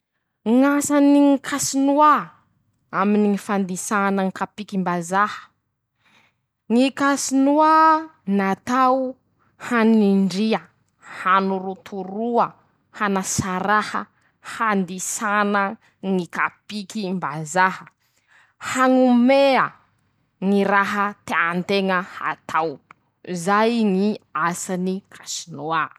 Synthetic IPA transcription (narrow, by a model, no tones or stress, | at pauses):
ŋasaniŋikʰasinua | aminiŋifand̪isanəŋikapikimbazahə̥ | ŋikasinuanat̪aw | haniɳɖ͡ʐia | hanuɾut̪ʰuɾuə | hanasaɾahə̰ | hand̪isanə | ŋikapikimbazahə | haŋumeə | ŋiɾaɦət̪eant̪eŋəha̰t̪ʰaw | zajŋiasanikʰasinua